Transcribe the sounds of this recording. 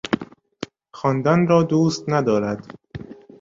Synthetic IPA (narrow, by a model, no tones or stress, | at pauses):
xɒːnd̪ænɾɒːd̪uːst̪næd̪ɒːɾæd̪̥